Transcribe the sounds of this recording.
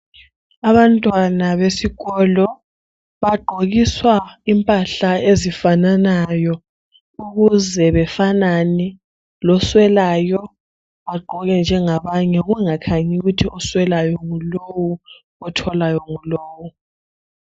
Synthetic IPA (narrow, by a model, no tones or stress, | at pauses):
aβantʼwanaβesiɣɔlɔ | βaɡ͡ǃʱoɣiswaimpʼaɬaezifananajɔ | uɣuzɛβɛfananɛ | lɔswɛlajɔ | βaɡ͡ǃʱɔɣɛnd͡ʒʱɛŋaβaɲɛɣuŋakʰaɲiɣutʰiʔɔswɛlajɔŋulowu | ɔtʰɔlajɔŋuloːwu